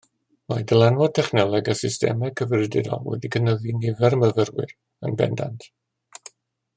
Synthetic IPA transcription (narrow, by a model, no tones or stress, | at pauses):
madəlˠɛnwɔtʰɛχnɛlˠɛɡəsɪstɛ̰mɛkʰəvrɪdɪdɔ̰wɛ̰dikʰənəðinɪvɛɾməvərwɪ̰r | ənbɛ̰nda̰ntʰ